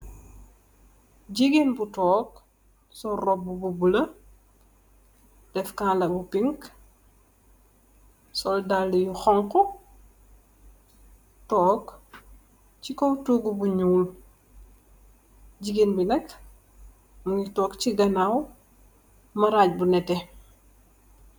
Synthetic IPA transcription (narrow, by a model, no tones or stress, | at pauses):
ɟiɡenbutɔːk̚ | sɔrɔb̚ːububulɐ | d̥ɛfkaːnlɐbupiŋk | sɔldalːɛjuxɔŋkɔ | tɔːk | t͡ʃikowtuɡubuɲuːl | ɟiɡenbinɐk | muŋitɔːkt͡ʃiɡɐnaw | mɐɾaːc̚bunɛtɛ